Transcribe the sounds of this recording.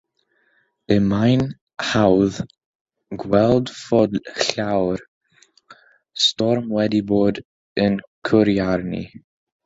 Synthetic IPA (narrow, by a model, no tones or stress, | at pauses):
əmajn | hawð | ɡwɛlˠdfɔdɬawɾ | stɔɾmwɛdiboːd | ənkʰʊɾiaɾnḭ